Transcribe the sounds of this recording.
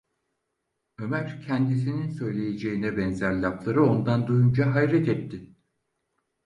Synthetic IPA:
ø̞mæɾcʰɛnd̪is̬ininsø̞jlʲe̞jed͡ʒe̞inɛbɛnzæɾlʲaplˠaɾɯo̞nd̪and̪ujund͡ʒaɦajɾɛt̪ʰɛt̪ʰːɪ

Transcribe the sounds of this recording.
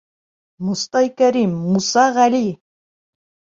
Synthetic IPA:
must̪ɑjkæɾimːusɑʁæli

